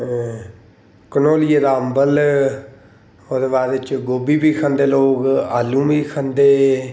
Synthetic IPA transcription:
kənoːlieɾaːmbəl | oːd̪eːbaːdɪt͡ʃɡoːbiːbiːkʰə̃nd̪eːloːkaːlːũːmiːkʰənd̪eː

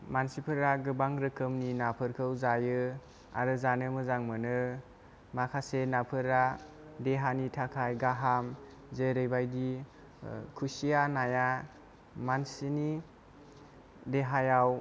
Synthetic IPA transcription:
mansipʰɯɾaɡɯbaŋɾɯkʰɯmninapʰɯɾkʰɯwzajɯ | a̰ɾɯzanɯmɯzaŋmɯnɯ | makʰasenapʰɯɾa | deɦanitʰakʰajɡaɦam | zeɾɯjbajdi | kʰusijanaja | mansini | deɦajaw

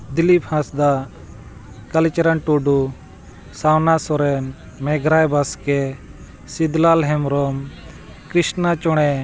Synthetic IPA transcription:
d̪ilipʰhãsd̪a | kalit͡ʃɾanʈuɖu | sawnasɔɾɛn | mɛɡɾajbaskɛ | sid̪lalɦɛmɾɔm | kɾisnat͡ʃɔɽ̃ɛ

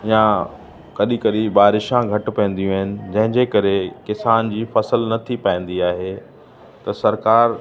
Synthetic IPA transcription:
ɪjã | kɐɗikɐɗiɓaːɾɪʃãɡʱɐʈ̆pɛ̃ːn̆d̪ijũaɦɪnɪ̆d͡ʑɐ̃ɦɪ̃ɲd͡ʑekɐɾekɪsaːnd͡ʑiːfɐsəlnɐt̪ʰipaĩːn̆d̪iaːɦe | t̪ɐsɐɾkaːɾ

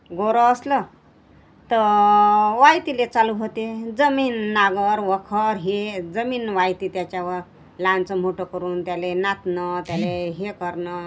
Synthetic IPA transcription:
ɡoɾəːslə | t̪ə | ʋajt̪ilet͡saluɦot̪ed͡zəmiːnːaɡəɾʋəkʰəɾɦed͡zəmiːnʋajt̪iːt̪jat͡ɕjaʋəɾ | lant͡səm̤oʈəkəɾuːnt̪jalenat̪nət̪jaleɦekəɾnə

